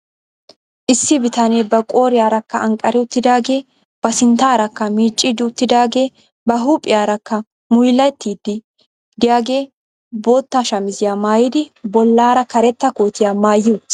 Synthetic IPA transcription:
ʔɪsːɪbɪt̪ɐneːbɐkʼo̞ːɾɪjaːɾɐkːɐɐŋkʼːɐɾɛʊt̪ːɪd̪aːɡe̞ː | b̥ɐsɪnt̪aːɾɐkːɐmiːt͡ʃʼːɪd̪ɪʊt̪ːɪd̪aːɡe̞ː | bɐɦuːpʼːɪjaːɾɐkːɐ | mʊjlːɐt̪ːiːd̪ːɪ | d̪ɪjaːɡe̞ː | boːt̪ːaʃɐmɪzɪjaːmaːjɪd̪ɪbɔlːaːɾɐkɐɾɛt̪ːɐkoːt̪ɪjaːmaːjːu

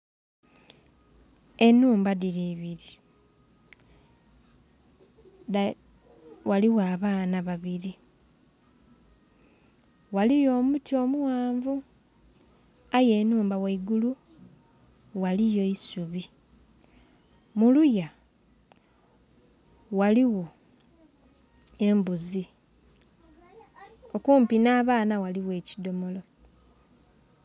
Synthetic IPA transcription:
e̞nuːmbadiɾiːβiɾi | waliwaːβaːnaβaβiɾi | walijo̞ːmutio̞ːmuwaːɱvu | aje̞ːnuːmbaweiɡulu | walijo̞isuβi | muluja | waliwo̞ | e̞mbuzi | o̞kuːmpinaːβaːnawaliwe̞ːcido̞molo̞

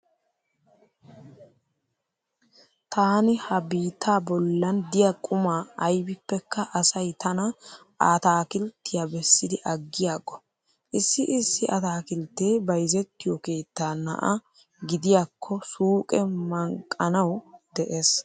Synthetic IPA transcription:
t̪ʰaːnɪhɐbiːt̪ʰːaːbɔlːɐnd̪ɪjɐkʼʊmaːɐjbɪpːɛkːɐʔɐsɐjt̪ʰɐnɐ | ʔat̪aːkɪlt̪ːɪjɐbɛsːɪd̪ɪʔɐɡːɪjaːɡɔ | ʔɪsːɪʔɪsːɪʔɐt̪aːkɪlt̪eːbɐjzɛt̪ːɪjɔke̞ːt̪ːaːnɐ̰ʔɐ | ɡɪd̪ɪjakʰːɔsuːkʼɛmɐŋkʼːɐnɐwd̪ɛʔes

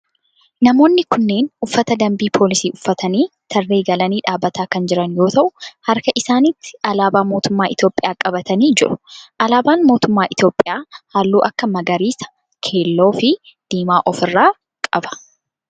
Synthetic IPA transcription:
nɐmo̞ːnːɪkʊnːe̞ːnʔʊfːɐt̪ɐd̪ɐmbiːpʰo̞ːlɪsiːʔʊfːɐt̪ɐniːt̪ʰɐrːe̞ːɡɐlɐniːᶑaːbːɐt̪aːkɐnd͡ʒɪɾɐnjo̞ːt̪ɐʔʊhɐɾkɐʔɪsaːnɪt̪ːɪ̥ʔɐlaːbaːmoːt̪ʊmːaːʔɪt̪jo̞ːpʼːɪjaːkʼɐbɐt̪ɐniːd͡ʒɪɾʊ̥ʔɐlaːbaːnmo̞ːt̪ʊmːaːʔɪt̪jo̞ːpʼːɪjaːhaːlːuːʔɐkːɐmɐɡɐɾiːsɐ̥ | kʰe̞ːlːo̞ːfɪ | d̪̥iːmaːʔɔfɪrːaː | kʼɐbɐ̥

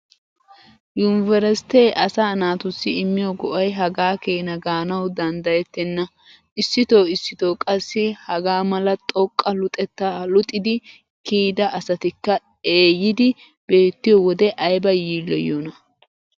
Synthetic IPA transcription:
jʊnvɛɾɛst̪eːʔɐsaːnaːt̪ʊsːɪɪmːɪjɔɡɔʔɐjɦɐɡaːkeːnɐɡaːnɐwd̪ɐnd̪ɐjɛt̪ːɛnːɐ | ʔɪsːɪt̪o̞ːɪsːɪt̪oːkʼɐsːɪhɐɡaːmɐlɐt̪ʼɔkʼːɐlʊt̪ʼɛt̪ːaːlʊt̪ʼːɪd̪ɪ | kiːd̪ɐʔɐsɐt̪ɪkːɐ | eːjɪd̪ɪ | b̥e̞ːt̪ːɪjɔwɔd̪ɛʔɐjbɐjiːlːɔjoːnɐ

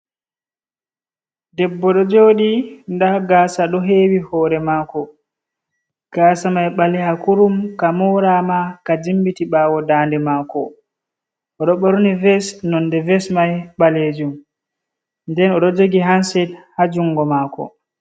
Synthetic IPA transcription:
dɛbːɔɗɔd͡ʒoːɗindaɡaːsaɗɔɦeːwihɔɾɛmaːkɔ | ɡ̥asamajɓalɛhakuɾumkamɔɾamakad͡ʒimbitiɓaːwɔdaːndɛmaːkɔ̰ | ʔɔɗɔɓɔɾnivɛsnɔndɛvɛsmajɓaled͡ʒum | ndɛnɔɗɔd͡ʒoɡiɦansɛdhad͡ʒuŋɡɔmaːkɔ̰

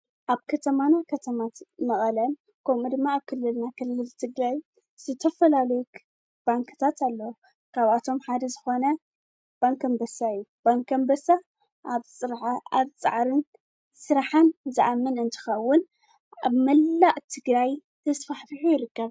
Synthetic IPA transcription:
ʔaβkʰɐt̪ʰɐmanakʰɐt̪ʰɐmat̪mɐχʼɐlɐ | kʰɐmud̪ɨmːaːβkʰɨlːɨlnakʰɨlːɨlt̪ʰɨɡɾaj | z̥ɨt̪ʰɐfɐlalɐjuk | b̥aŋkt̪ʰat̪alːɐwo | kʰaβat̪ʰo̞mħad̪ɐzɨxo̞nɐ | b̥aŋkɐmbɐsaɨjːub̥aŋkʰɐmbɐsa | ʔaβsʼɨɾʕaaβt͡sʼa̰ʕɾɨn | sɨɾaħanzɨʔamːɨnɨnt̪ʰɨ̥xɐwːʊn | a̰βmɐlːaʔʼt̪ʰɨɡɾajt̪ʰɐsfaħfiħujɪɾɨkːɐβ

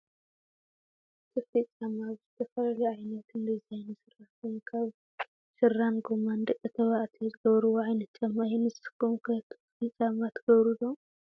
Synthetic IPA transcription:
t̪ʰɨfit͡sʼamaβzɨt̪ʰɐfɐlɐlɐajnɐt̪ɨnd̪izajnɨsɨraħt̪ɨnkʰaβ | sɨranɡomand̪ɨkʼːɨt̪ʰɐβaʔt̪ʰizɨɡɐβɾɨwoʕajnɐt̪t͡ʃamːajɛnɨzsɨkːumkʰɐt̪ʰɨ̥fit͡sʼamat̪ʰɡ̥ɐβɾulo

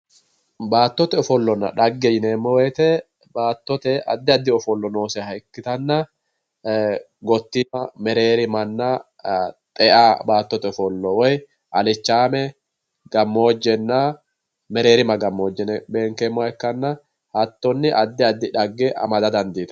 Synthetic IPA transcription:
baːt̪ːɔt̪ɛɔfɔlːɔnɐ̰ᶑɐɡːɛjɪneːmːɔwɛjt̪ɛ | baːt̪ːɔt̪ɛɐd̪ːɪɐd̪ːɪɔfɔlːɔnoːsɛhɐɪkːɪt̪ɐnːɐ | ɡɔt̪ːɪmɐmɛɾe̞ːɾɪmɐnːa | t̪ʼɛʔaːbaːt̪ːɔt̪ɛɔfɔlːɔwɔj | ʔɐlɪt͡ʃːaːmɛ | ɡ̥ɐmːo̞ːd͡ʒːɛnːa | mɛɾe̞ːɾɪmɐɡɐmːoːd͡ʒːɛnɛbe̞ːŋkɛmːɔɛkːɐnːɐ | hɐt̪ːɔnːɪʔɐd̪ːɪɐd̪ːɪᶑɐɡːɛʔɐ̰mɐd̪ɐd̪ɐnd̪iːt̪ɐ̥

